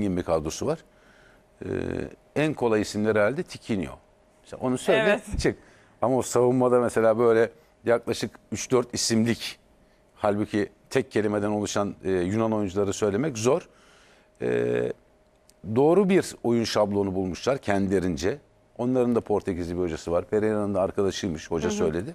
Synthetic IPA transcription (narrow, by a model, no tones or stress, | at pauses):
imbikʰad̪ɾosuvaɾ̥ | ɯ̰ | ænkʰo̞lˠajisimlʲæɾɛalʲd̪ɛt̪ʰicʰinḭjo̞̰ | msʔo̞nusølʲd̪ɛt͡ʃʰɯk | amaosavumːad̪amese̞lʲaːbø̞jlʲɛ | jaklˠaʃɯkyt͡ʃd̪øɾt̪ʰisimlʲic | halʲbucʰit̪ʰɛc̚ʰːe̞lʲime̞d̪æno̞lˠuʃanɯːjunanojund͡ʒulˠaɾɯsø̞jlʲe̞mɛczo̞ɾ̥ | ɛ̰ | d̪o̞ːɾubiɾo̞junʃablˠo̞nubulˠmuʃlˠaɾcʰɛnd̪ilʲeɾind͡ʒɛ | o̞nlˠaɾɯnd̪apʰo̞ɾt̪ʰecizibiho̞d͡ʒasɯvaɾpʰe̞ɾeanɯnd̪aːɾkʰad̪aʃɯjmɯʃho̞d͡ʒasø̞̰jlʲe̞d̪ɪ